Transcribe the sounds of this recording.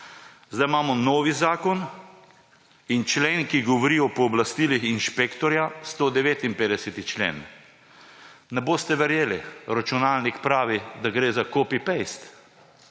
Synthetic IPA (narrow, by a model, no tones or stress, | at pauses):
zd̪ajmaːmɔnoːʋizaːkɔn | int͡ʃleːnkiɡɔʋɔɾiːɔpɔːblast̪ilixinʃpekt̪ɔɾjast̪od̪ɛʋeːt̪inpeːd̪ɛsɛt̪it͡ʃlḛːn | nɛboːst̪ɛʋɛɾjeːliɾat͡ʃunaːlnikpɾaːʋid̪aɡɾeːzakoːpipejst̪